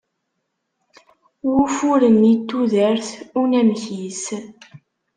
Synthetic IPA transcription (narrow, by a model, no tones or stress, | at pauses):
wufuɾənit̪ːuðəɾθunæmçis